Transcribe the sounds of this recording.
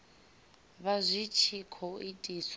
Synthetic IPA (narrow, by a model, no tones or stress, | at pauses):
βazʷit͡ʃʰikʰɔitʼis